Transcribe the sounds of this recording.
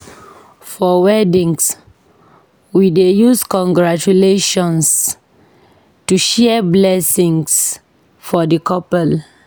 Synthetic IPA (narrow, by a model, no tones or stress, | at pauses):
fɔwɛdĩŋs | widejuskɔ̃ŋɡɹat͡ʃuleʃɔ̃ns | tuʃɛblɛsĩŋs | fɔdəkʰɔpɛl